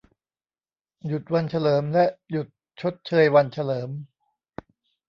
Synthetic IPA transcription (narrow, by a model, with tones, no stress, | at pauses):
ju˨˩t̪̚wa˧nt͡ɕʰa˧lɤː˩˦mlɛ˦˥ʔju˨˩t̪̚ | t͡ɕʰo˦˥t̪̚t͡ɕʰɤː˧jwa˧nt͡ɕʰa˧lɤː˩˦m